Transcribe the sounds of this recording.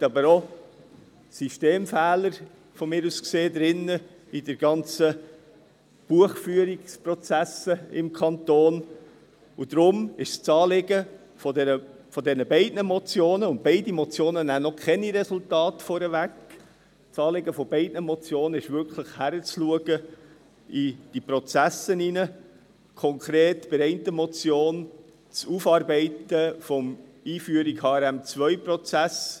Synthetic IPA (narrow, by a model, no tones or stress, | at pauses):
tɑbəɾo | syʃteːmfæːləɾ | fɔmɪːɾuskseːd̪ɾɪnə | idəɾɡ̥ɑnt͡sə | b̥uəχfyəɾikspɾɔt͡sæsəɪmkʰɑnt̪oːn | ud̥̪ɾʊmɪʃst͡sɑːlɪɡə | fɔdɛnə | fɔdɛnəbɛɪd̥nəmɔt͡sjoːnəʊnt̚b̥ɛɪdimɔt͡sjoːnənænɔkʰχɛniɾɛsʊltɑːtfɔɾəvæk | t͡sɑːleɡəfɔb̥ɛɪd̥nəmɔt͡sjoːnəɪʃvʏɾkʰləχhæɾət͡sluəɡ̥ə | id̥iprɔt͡sæsəninə | kʰɔŋkɾeːtb̥ɪɾɛɪntəmɔt͡sjoːn | t͡sufɑɾbɛɪtəfɔm | iːfyəɾiɡhɑːɛɾæmt͡svœʏprɔt͡sæs